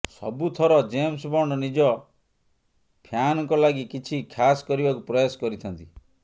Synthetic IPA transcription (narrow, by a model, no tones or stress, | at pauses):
sɔ̰but̪ʰɔɾɔd͡ʒemsbɔɳɖɔnid͡ʒɔ | pʰjanɔkɔlaɡikit͡ʃʰikʰasɔ̥kɔɾibakupɾɔjoskɔɾit̪ʰɔnt̪i